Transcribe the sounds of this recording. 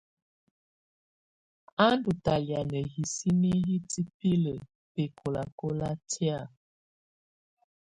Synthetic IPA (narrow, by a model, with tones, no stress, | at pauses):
a˦n˦du˨ta˨lja˨nə˨hi˨si˦ni˦ɦi˦ti˦pi˦lə˨ | pe˨ko˨la˨ko˦la˦tʰja˦˨